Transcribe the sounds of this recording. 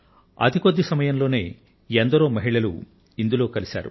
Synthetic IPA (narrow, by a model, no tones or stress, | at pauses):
ɐ̰d̪ʱikod̪ːisɐmɐjɐmlo̞ːne̞ː | end̪ɐɾo̞ːmɐɦiɭɐlṵ | ind̪ulo̞ːkɐlisa̰ːɾṵ